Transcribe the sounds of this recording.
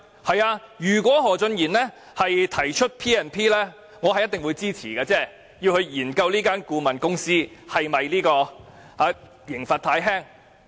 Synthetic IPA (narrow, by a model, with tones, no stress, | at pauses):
hɐ˨jaː˧jyː˨˩k̬ʷwʷɔː˨˥ɦɔː˨˩t͡sɵ˧njiː˨˩nlɛː˥ | hɐ˨jt̪ʰɐ˨˩jt͡ʃʰɵ˥t̚pʰiː˥ɛː˨˧npʰiː˥lɛː˥ | ŋɔː˨˧hɐ˨jɐ˥t̪ɪ˨ŋwu˨˧jt͡siː˥t͡sʰiː˨˩kaː˧t͡sɛː˥ | ji˧whɵ˧ɥjiː˨˩nkɐ˧wliː˥kaː˥nkuː˧mɐ˨˩nkʊ˥ŋsiː˥hɐ˨jmɐ˨jliː˥kɔː˧ | haː˨˧ | jɪ˨˩ŋfaː˨t̪̚ʰaː˧˥jɦɛː˥ŋ